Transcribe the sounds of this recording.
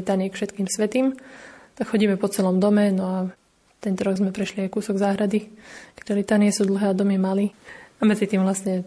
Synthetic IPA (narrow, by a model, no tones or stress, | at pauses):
it̪aːniɛkfʃɛt̪kiːmsʋɛt̪iːmt̪akxɔɟiːmɛpɔt͡sɛlɔmd̪ɔmɛnɔa | t̪ɛnt̪ɔɾɔɡzmɛpɾɛʃliajkuːsɔɡzaːɦɾad̪ikɛ̥ɟɔlit̪aːniɛsuːd̪l̩ɦɛːad̪ɔmiɛmaliːamɛd͡zit̪iːmvlasɲɛ